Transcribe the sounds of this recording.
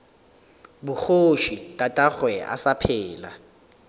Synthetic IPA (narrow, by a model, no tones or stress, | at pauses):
bʊk͡xoʃitʼatʼaχwɛʔa̰sapʰɛːla̰